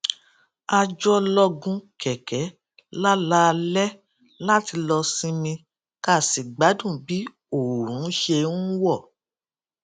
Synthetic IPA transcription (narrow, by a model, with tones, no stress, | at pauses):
a˧d͡ʒɔ˦lɔ˧ɡũ˧kɛ˨kɛ˨˦ | la˦la˦˧lɛ˦ | la˦ti˧lɔ˧sĩ˧mĩ˧ | ka˦˨si˨ɡ͡ba˨˦dũ˦˨bi˨˦ | o˨ɾũ˨˦ʃe˧n˦wɔ˦˨